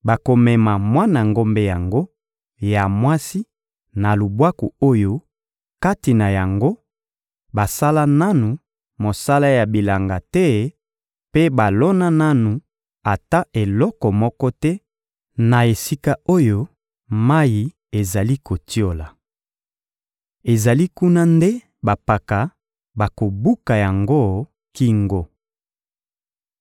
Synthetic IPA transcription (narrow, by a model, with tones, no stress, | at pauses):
ba˨ko˨mɛ˨ma˨mwa˦na˨ŋɡo˦mbe˦ja˨ŋɡo˦ | ja˨mwa˦si˦ | na˨lu˨bwa˦ku˨o˦jo˦ | ka˦ti˨na˨ja˨ŋɡo˦ | ba˨sa˦la˦na˦nu˨ | mo˨sa˦la˦ja˨bi˨la˨ŋɡa˨tɛ˦ | pe˦ba˨lɔ˦na˦na˦nu˨ | a˨ta˦ʔe˨lɔ˦kɔ˨mɔ˦kɔ˦tɛ˦ | na˨e˨si˦ka˦o˦jo˦ | ma˦ji˨ | e˨za˨li˦ko˨ti˦o˨la˨ | e˨za˨li˦ku˦na˦nde˦ | ba˨pa˨ka˨ | ba˨ko˨bu˦ka˨ja˨ŋɡo˦˨ | ki˦ŋɡo˦